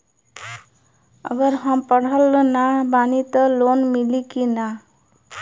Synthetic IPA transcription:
ə̰ɡəɾɦəmpəɽ̤əlːnabanit̪ɔlonmilikina

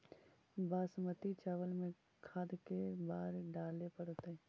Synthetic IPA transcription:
baːsmət̪it͡ʃaːʋəlmẽ | kʰaːd̪kebaːɾɖaːlepəɽt̪e

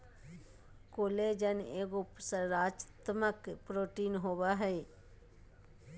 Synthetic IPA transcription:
koːleːd͡ʒəneːɡʊpsəɾaːd͡ʒt̪məkpɾoːʈiːnɦoːʋaɦɛe

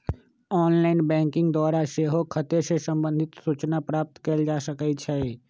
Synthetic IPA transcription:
ɔːnlaːɪnbɛ̃ːŋkɪ̃ŋɡd̪wɔːɾaʃeɦokʰət̪esesə̃mbə̃nd̪ʱɪt̪suːt͡ʃnapɾaːp̚t̪keld͡ʒaːsəkət͡ʃʰɛː

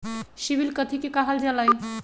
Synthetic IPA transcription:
sibilkət̪ʰikekəɦəld͡ʒalaj

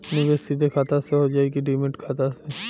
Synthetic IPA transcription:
nɪbesid̪ʱekʰaːt̪aseɦod͡ʒaːeɡiɖiːmɪʈkʰaːt̪ase

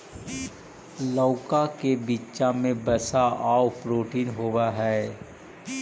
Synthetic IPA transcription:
lɔːkakebiːʃamẽbəsaʔaːwpɾoːʈiːnɦoːwaɦɛː

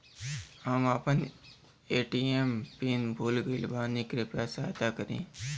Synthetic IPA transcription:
ɦəmapən | eːʈiːempiːnbʱuːlɡəilbaːnikɾɪpɾasaːt̪akəɾḛ̃ː

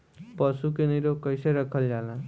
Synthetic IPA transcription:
pʌsukeniɾokʌjseɾʌkʰʌld͡ʒalã

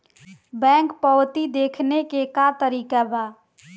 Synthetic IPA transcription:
bɛ̃ŋkpɔwt̪id̪ekʰnekekat̪əɾikaba

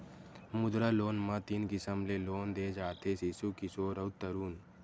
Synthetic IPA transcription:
mʊd̪ɾaloːnmãt̪iːnkɪsəmleloːnd̪eːd͡ʒaːt̪ʰesisukisoɾəwt̪əɾuːn

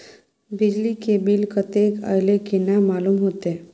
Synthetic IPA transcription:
bɪd͡ʒlikebilkət̪eːkə̰jlekenamaːlumɦoːt̪eɛ

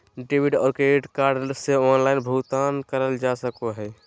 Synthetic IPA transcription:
ɖibiɖɔ̰ːɾkɾeiʈkaɾɖseɔnlaɪnbʱut̪ankəɾəld͡ʒasəkoɦɛ

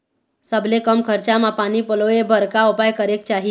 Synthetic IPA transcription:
səblekəmkʰəɾt͡ɕamapanipəloebʱəɾkaopajkəɾek̚t͡ʃaɦi

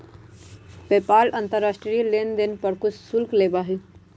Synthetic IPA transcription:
peːpaːlɐ̃nt̪əɾːaːsʈɾilend̪enpəɾkʊsːʊlkleːbaːɦi

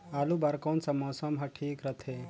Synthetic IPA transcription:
aːlubɐɾkonsɐmɔːsɐmɦɐʈʰiːkɾɐt̪ʰe

